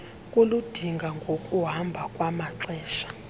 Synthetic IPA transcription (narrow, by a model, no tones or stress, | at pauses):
kʼolud̥ʱiŋɡʱaŋɡʱokʼuɦambʱakʼwamaǀɛːʃḁ